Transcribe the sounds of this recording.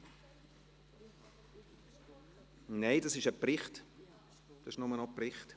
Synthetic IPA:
neɪdɑsɪʃəprɪχt | d̪̥ɑsɪʃnʊmənɔprɪχt

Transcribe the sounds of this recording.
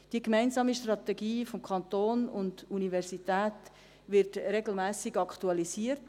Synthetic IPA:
d̥iəkmæɪnzɑːmiʃtrɑt̪ɛɡiːfɔmkʰɑntoːnʊnduniʋɛrsitæːt | ʋɪɾtɾeɡl̩mæːsɪɡɑktuɑlisiːəɾt

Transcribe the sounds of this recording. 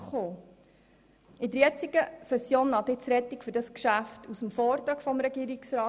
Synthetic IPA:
χoː | ɪd̪əɾjɛt͡siɡ̥əsɛsjoːnːɑd̪ɪt͡sɾɛt̪ːikfʏɾdɑskʃæftʰusəmfɔːɾt̪ɾɑːkfɔmɾɛɡiːɾiksɾɑː

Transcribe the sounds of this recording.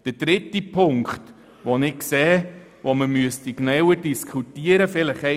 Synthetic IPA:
d̥əd̥ɾɪtːipʰʊŋkχt | ʋonɪksɛː | ʋoməmyəstiknœwəɾdiskʰχutiəɾəfɪləχɛ

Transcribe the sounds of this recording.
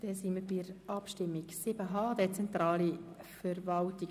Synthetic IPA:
d̪̥ɛsiməbɪəɾɑpʃtɪmːiɡsɪb̥əɦɑːd̥ɛt͡sɛnt̪ɾɑːlifəɾvɑltiɡ

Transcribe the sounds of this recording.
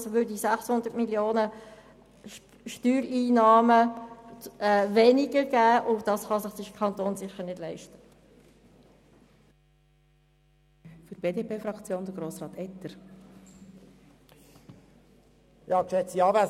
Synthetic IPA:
sʋøːɾdisæχshʊnd̪ətmiljoːnə | ʃtyːɾiːnɑːmə | ɛvɛnɪɡəɾɡ̥æːʔʊd̥ɑsχɑsɪχd̥ɪkʰɑnt̪oːnsɪχəɾnɪd̥lɛɪʃtə̥ | fyɾb̥eːd̪eːpʰeːfɾɑkt͡sjoːnd̪əɡɾoːsʁɑːt̪ɛtːəɾ | jɑːkʃɛt͡siɑːvæ

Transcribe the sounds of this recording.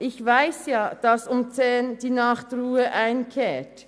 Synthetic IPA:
ʔɪçvaɪsjɑːd̥ɑsʊmt͡seːnd̥iːnɑχtruːəʔaɪnkʰeːt

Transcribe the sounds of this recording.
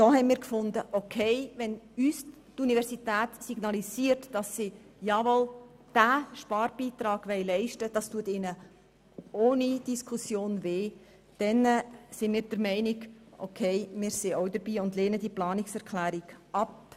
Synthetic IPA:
d̥ɔɦɛnmiːɾkfʊndəʔokʰeɪʋɛnyːs | tunivɛɾsitæːtsiɡ̥nɑlisiːəɾtd̥ɑsːi | jɑːvɔl | d̥æʃpɑːɾb̥iːtɾɑːɡ̥ʋɛɪlɛɪʃtəd̥ɑstuətɪnə | oːnid̥iskʰusjoːnveː | d̥ɛnsɪnmiːɾd̥əɾmɛɪniɡʔokʰeɪmɪːɾsioʊdəɾbiːʊndleːnədiːəplɑːnɪksɛɾkʰlæːɾiɡ̥ʔɑp

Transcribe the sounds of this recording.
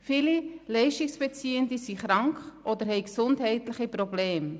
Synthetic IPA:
fɪlilɛɪʃtɪksb̥ɛt͡siːəndisiχɾɑŋkχʔɔd̪əɾɦɛɪksʊntɦɛɪtlɪχipɾɔbleːm

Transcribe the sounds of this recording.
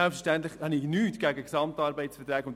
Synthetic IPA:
ɛlpfəʃtæntlɪχhɑnɪnyːtɡ̥æːɡəksɑmtɑːɾbɛɪsfɛtɾɛːɡkʊnd

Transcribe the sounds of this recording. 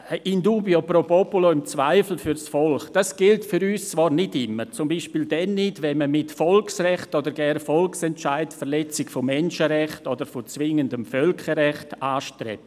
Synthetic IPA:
əʔinduːbiopɾopɔpuloɪmt͡svaɪfl̩fyɾsfɔlχd̥asɡ̥ɪltfyɾyːst͡svɑːɾnɪtɪmːət͡sʊmbiːʃpiːldɛnːɪtʋɛnməmɪtfɔlksrɛχtodəɾɡɛrfɔlksɛntt͡ʃaɪtfəɾlɛt͡sɪɡfomɛnʃəɾɛχtodəɾfot͡svɪŋəndəmfœlkəɾɛχtaːʃtɾɛ̰p̚

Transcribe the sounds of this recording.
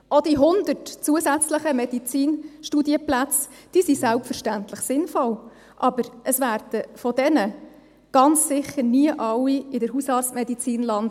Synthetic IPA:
ɔd̥iɦʊnd̪ətt͡suəsæt͡sləχəmɛd̥it͡siːnʃtudiəplæt͡sd̥iːsisælpfəɾʃtænt̪ləχsɪnfɔl | ʔɑbəɾʔəsʋæːɾd̥əfɔdɛnə | ɡ̥ɑnt͡ssɪχəɾniəʔɑwːiɪdəɾɦusɑːɾt͡smɛdit͡siːnlɑn

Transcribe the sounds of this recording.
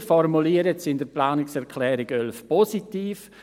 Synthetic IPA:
fɔrmuliəɾətsɪnd̥əplaːnɪksɛɾkʰlɛːɾɪɡœlfpɔsitiːf

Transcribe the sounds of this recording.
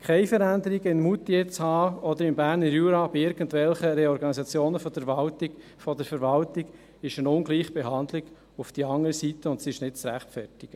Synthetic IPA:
kʰɛɪfəɾænd̪əɾiɡəɪnmut̪ijɛt͡shɑːɔd̪əɾɪmbæːɾnəɾjuːɾɑbiɪɾɡ̥ən̩tvɛlχəɾeɔɾɡɑnisɑt͡sjoːnəfɔd̥əɑltɪ | fɔd̥əɾfəɾʋɑltɪɡ̥ | ɪʃənʊnɡliːχəbeɦɑnd̪lɪɡ | ufd̥iɑŋəɾəsitəʊntsiɪʃnɪtt͡sɾæχtfɛɾtɪɡ̥ə

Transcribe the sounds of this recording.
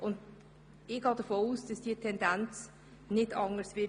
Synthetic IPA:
ʔʊnd | ɪɡ̥ɑːd̥əfoːuːsd̥ɑsd̥iːtʰɛnd̥ant͡s | nɪdɑŋəsvɪ

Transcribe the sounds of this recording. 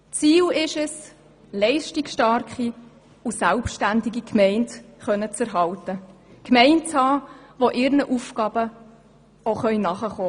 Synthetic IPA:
t͡siːlɪʃəs | lɛɪʃtiksʃtɑɾkχi | usælpʃtændiɡikʰmɛɪntχœnət͡səɾɦɑltəkmɛɪnt͡shɑːʋoʔɪɾnəʔufkɑːb̥ə | oχœʏnɑχəχoː

